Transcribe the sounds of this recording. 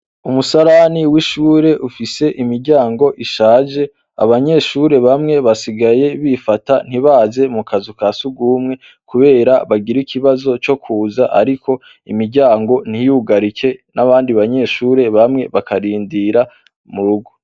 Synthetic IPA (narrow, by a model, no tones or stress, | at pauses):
umusaɾaniwiʃuːɾe̞ʔufise̞ʔimiɾɟaːŋɡo̞ʔiʃaːʒe̞ | a̰βaɲe̞ʃuːɾe̞βamŋe̞βasiɡaje̞βifatan̥iβaːze̞mukazukaːsuɡuːmŋe̞ | kuβe̞ːɾaβaɡiɾikʰiβazo̞t͡ʃo̞kʰuːzaʔa̰ɾikʰo̞ | ḭmiɾɟaːŋɡo̞n̥ijuɡaɾikʰe̞naβaːndiβaɲe̞ʃuːɾe̞βamŋe̞βakʰaɾiːndiɾa | muɾuɡo̥